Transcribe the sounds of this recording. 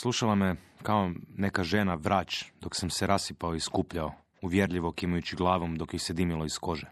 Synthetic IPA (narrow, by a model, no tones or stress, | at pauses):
slˠuʃalˠamekaonekaʒenaʋɾaːt͡ʃd̪o̞ksamseɾasipaoiskuːpʎao | uʋjeɾʎiʋokimajut͡ɕiɡlˠaːʋomd̪o̞kjised̪imilˠoisko̞ʒe